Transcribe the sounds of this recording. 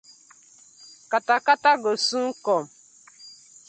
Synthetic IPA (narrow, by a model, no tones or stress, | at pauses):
katakataɡosuŋ̩kɔm̩